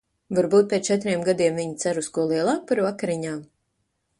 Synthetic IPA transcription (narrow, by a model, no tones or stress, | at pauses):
vaɾbuːt̪̚pʲeːt̪t͡ʃɛt̪ɾiɛmɡad̪iɛmviɲit̪sæɾuskuɔlˠiɛlˠaːk̚paɾvakaɾiɲaːm